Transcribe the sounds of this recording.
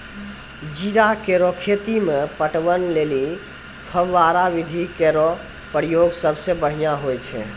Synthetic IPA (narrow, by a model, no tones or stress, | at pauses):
d͡ʒiɾakeɾɔkʰet̪imepəʈʋənleli | pʰəʋːaɾaʋid̪ʱikeɾɔ | pəɾijoɡsəbsebəɽ̤ijaɦojt͡ʃʰɛ̰